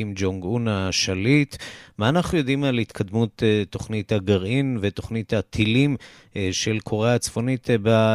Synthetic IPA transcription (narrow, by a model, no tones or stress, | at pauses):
imd͡ʒoŋɡunaʃalit̪maːnaχnujo̞d̪imalit̪kʰad̪mutetːo̞χnithaɡaʁinveto̞χnit̪hat̪ʰilim | ʃe̞lkʰoʁeat͡sfo̞nit̪ba